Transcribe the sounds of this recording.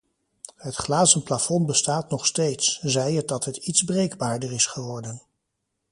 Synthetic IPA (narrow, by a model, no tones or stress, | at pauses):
ɦətχlaːzənplafɔnbəstaːtnɔχstejtszɛjət̚dɑtɦətitzbrejɡbaːɹdəɹɪsχəʋɔɹdən